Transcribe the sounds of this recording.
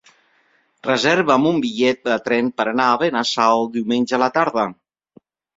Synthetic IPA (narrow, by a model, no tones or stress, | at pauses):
rəzɛɾβəːmumbiʎɛt̪̚d̪ət̪ɾɛmpəɾənaːβenasawd̪iwmenʲʒəələt̪aɾð̞ə